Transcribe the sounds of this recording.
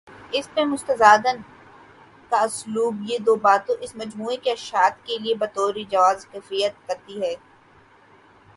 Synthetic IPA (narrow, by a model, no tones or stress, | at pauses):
ɪspẽmʊst̪əzaːd̪ən | kaʊsluːbjed̪oːbaːt̪õʔɪsmɐd͡ʒmuːekeɐʃaːt̪keliebɐt̪ɔːɾid͡ʒɐʋaːzxɛːfɾijət̪̚kɐɾt̪iɦɛː